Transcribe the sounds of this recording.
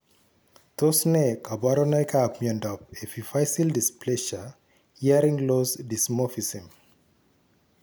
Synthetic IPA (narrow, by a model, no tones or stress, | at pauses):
tosnekabaɾɔnajkapmɔ̃ndɔpefifajsildispʰlɛʃa | iaɾĩŋlosdismɔfisĩm